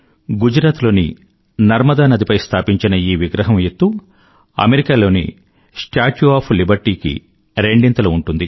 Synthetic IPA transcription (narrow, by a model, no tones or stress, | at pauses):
ɡud͡ʒɾaːt̪lo̞ːnḭ | nɐɾmɐd̪aːnɐd̪ipɐjst̪ʰaːpiɲt͡ʃinɐiːʋiɡɾɐɦɐmjet̪ːu | ɐ̰meɾikaːlo̞ːnḭ | sʈaːʈuaːpʰlibɐɾʈiːkḭ | ɾe̞ɳɖint̪ɐlɐuɳʈund̪ḭ